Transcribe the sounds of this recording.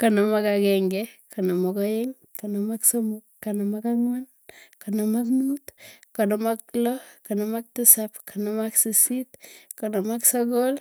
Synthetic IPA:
kanamakakeŋɡekanamakɔjeŋkanamaksomukːanamakaŋwan | kanamaknutkanamaklokanamak̚tisapkʰanamaksisitkanamaksokol

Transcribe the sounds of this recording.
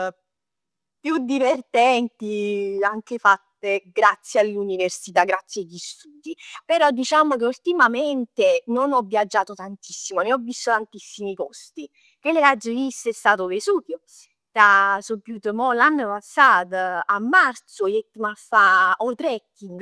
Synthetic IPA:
pːjud̪ivert̪ɛnt̪iaŋkefat̪ːeɡɾat̪sːjalːuniversit̪aɡɾat̪sːjajist̪uːd̪ipeɾɔd̪ːit͡ʃaːmok̟eult̪imament̪enonɔvːjad͡ʒːaːt̪ot̪ant̪isːimoneɔvːist̪ot̪ant̪isːimipɔst̪i | keleɾad͡ʒːovisːɛst̪aːt̪ovesuːt̪jo | t̪asopːjut̪əmɔlanːəpasːaːt̪aamːart̪sojɛt̪ːmafːaɔt̪ɾɛkːiŋɡ

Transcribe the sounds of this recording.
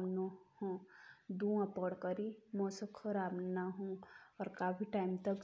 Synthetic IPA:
nohõd̪uãpəɽkəɾimɔ̃ːsəkʰəɾaːbnaɦũɔːɾkaːpʰiʈaːɪmt̪ək

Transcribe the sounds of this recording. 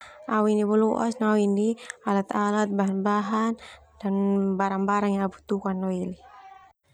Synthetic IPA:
awinibɔlɔʔa̰snawinialat̪alat̪̚baɦanbaɦan | d̥anbaɾaŋbaɾaŋjaabut̪ukanːɔili

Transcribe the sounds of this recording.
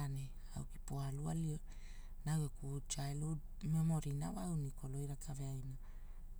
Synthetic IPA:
ane | a̰wki̥poalua̰lio | nawekut͡ʃaelo | memo̞ɾinawawniko̞lo̞jɾakʰaveajna

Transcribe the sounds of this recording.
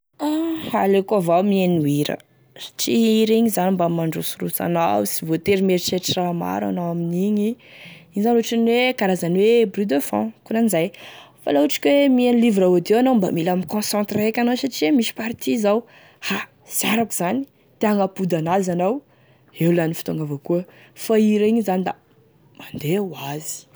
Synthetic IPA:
ahalekuavawmieniwiɾə̰ | sḁʈ͡ʂiiɾiɲizanimbamaɳɖ͡ʐosuɾut͡sa̰nawsivot̪eɾimeɾit͡ʃeʈ͡ʂirama̰ɾa̰nawaminiɲiizanuʈ͡ʂanwekaɾazanwebryd̪əfɔ̰̃kunanizajfa̰lauʈ͡ʂi̥kʲwemianilivɾaod̪ewanawmba̰milamikɔ̃sɑ̃nt̪reakʲanawsaʈ͡ʂiamiʃi̥paɾt̪ʰizaw | ha | zaɾakuz̥ani̥ | t̪eaŋapud̪anazanaw | ewlanifi̥t̪aŋɡavakuə | faiɾaiɲizanid̪a̰ | mand̪ewazi̥

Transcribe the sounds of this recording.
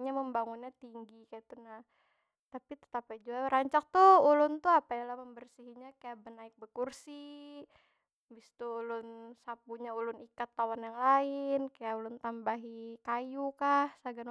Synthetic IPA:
ɲaməmbaŋunɲat̪iŋɡikaat̪unah | t̪apit̪ə̥t̪apad͡ʒuaɾaɲt͡ʃak̚t̪uulʊnt̪uapajalahməmbərsiɦiɲakajaʔbənaɪk̚bəkursi | bist̪uːlʊnsapuɲaulʊnikat̪ːawanjaŋlaɪnkajaʔulʊnt̪ambaɦikajukahsaɡan

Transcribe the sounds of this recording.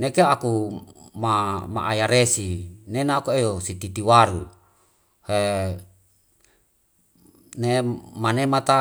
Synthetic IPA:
nekeaku | mama̰ʔajaɾesinenaːkuejosit̪it̪iwaɾṵ | he | nemanemat̪a

